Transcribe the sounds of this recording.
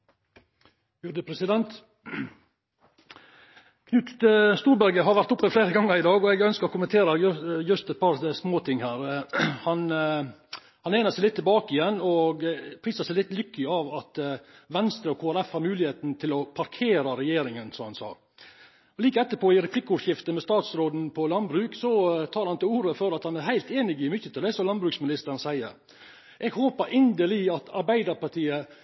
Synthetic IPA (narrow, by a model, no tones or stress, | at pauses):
jʉd̪əpʰɾɛsɪd̪ɛnt̪ | kʰnʉːt̪st̪uːɾbæɾɡəɦɑɾʋæɾʈt̪ʊpːəfleːɾəɡɑŋːəɾɪd̪ɑːɡɔɛɡœnskəɾɔkʊmənt̪ʰeːɾəjʉst̪ɛt̪̚pʰɑɾsmoːt̪ʰɪŋhæːɾhɑn | hɑneːnəɾsɛɪlɪt̪ːɪlbɑːkəɪjɛnːɔɡpʰɾiːsɑsɛɪlɪt̪ːlʏkːəɪɑʋɑt̪ʋɛnst̪ɾəɔkʰoːæɾɛfhɑːɾmʉːlɪheːt̪n̩t̪ʰɪlɔpʰɑɾkʰeːɾɑɾɛjeːɾɪŋənsɔmhɑnsɑ̰ːɾ | ɔliːkəɛt̪ːəpʰɔːɪɾɛpʰlɪkːəʊʂɪft̪əmɛst̪ɑːt̪sɾoːd̪n̩pʰɔlɑnbɾʉːksɔt̪ʰɑːɾhɑnt̪ɪluːɾəføɾɑt̪hɑnæɾhæɪlt̪eːnɪɡɪmʏçːət̪ɪld̪æsɔlɑnbɾʉːksmɪnɪst̪əɾənsæɪə̰ɾ | ʔɛɡhoːpəɾɪnd̪əlɪɑt̪ɑɾbæɪd̪əɾpɑɾt̪ʰiːə